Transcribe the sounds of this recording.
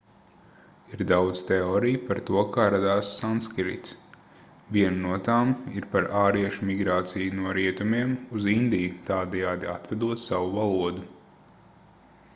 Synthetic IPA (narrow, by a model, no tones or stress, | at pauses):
iɾd̪awd̪z̥t̪ɛɔːɾijpaɾt̪uɔkaːɾad̪aːsːanskɾḭt̪s | viɛnnuɔt̪aːmiɾpaɾaːɾiɛʃumiɡɾaːt̪sijunuɔɾiɛt̪umiɛmuzind̪ijut̪aːd̪ɛjaːd̪iat̪vɛd̪uɔt̪saʋuvalˠuɔd̪u